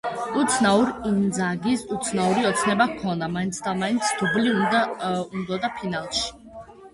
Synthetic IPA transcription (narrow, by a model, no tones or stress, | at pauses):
ut̪sʰnauɾind̪zaɡisut̪sʰnauɾiɔt̪sʰnɛbakʰɔnd̪amaint̪sʰd̪amaint̪sʰd̪̥ubliud̪aund̪ɔd̪apʰinalˠʃi̥